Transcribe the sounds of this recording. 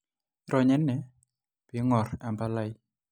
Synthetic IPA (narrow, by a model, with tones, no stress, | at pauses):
ɾɔ˨ɲɛ˦nːɛ˨ | pɪ˨ŋɔ˨ɾa˨mba˦la˦j